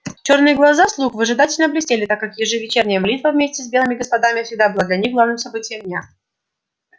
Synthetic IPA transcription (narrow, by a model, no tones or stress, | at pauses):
t͡ɕo̞rnɨjəɡlˠɐzaslˠuxvəʐɨd̪atʲɪlʲnəblʲɪsʲtʲelʲɪt̪akːakjɪʐɨvʲɪt͡ɕernʲɪjəmɐlʲit̪vəvʲmʲesʲtʲɪsbʲelˠɨmʲɪɡəspɐd̪amʲɪfsʲɪɡ̚d̪abɨlˠad̪lʲɐnʲixɡlˠavnɨmsɐbɨtʲɪjəmnʲa